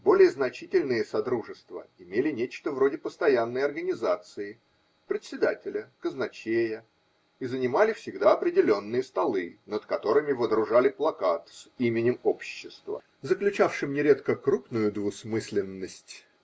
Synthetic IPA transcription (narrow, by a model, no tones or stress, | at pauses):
bo̞lʲɪjəznɐt͡ɕitʲɪlʲnɨjəsɐd̪ɾuʐɨst̪və̰ɪmʲelʲɪnʲet͡ɕt̪əvɾo̞dʲɪpəst̪ɐjanːəjɐrɡənʲɪzat̪sɨɪ | pɾʲɪt̪ʲsʲɪd̪atʲɪlʲəkəznɐt͡ɕejə | izənʲɪmalʲɪfsʲɪɡd̪aɐpɾʲɪdʲɪlʲo̞nːɨjəst̪ɐlˠɨnət̪kɐt̪o̞ɾɨmʲɪvəd̪ɾʊʐalʲɪplˠɐkat̪simʲɪnʲɪmo̞pɕːɪst̪və̰ | zəklʲʉt͡ɕafʂɨmnʲɪɾʲe̞t̪kəkɾupnʊjʊd̪vʊsmɨsʲlʲɪnːəsʲtʲ